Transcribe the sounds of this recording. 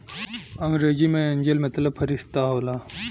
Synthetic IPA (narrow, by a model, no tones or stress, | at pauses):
ɐŋɡɾeːd͡ʑimẽɐɲʲd͡ʑelmɐt̪lɐbpʰɐɾist̪aɦoːlaː